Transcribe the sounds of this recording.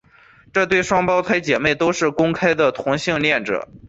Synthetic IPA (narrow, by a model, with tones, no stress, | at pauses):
ʈ͡ʂɤ˥˧t̪we˥˩ɪʂwɑ˥ŋpɑ˥ʊt̪ʰwa˧˥ɪt͡ɕjɛ˨˩me˥˩ɪt̪o˥ʊʂɻ̩˥˩kʊ˥ŋkʰa˥ɪd̪ə˨t̪ʰʊ˧˥ŋɕi˥˧ŋljɛ˥˩nʈ͡ʂɤ̰˨˩˦